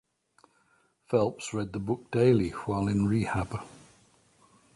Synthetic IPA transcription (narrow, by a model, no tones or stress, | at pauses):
fɛlˠpsɹɛd̪̚ðəbʊk̚d̥eɪlɪwaɪlˠɪ̃nɹiːhab̥ə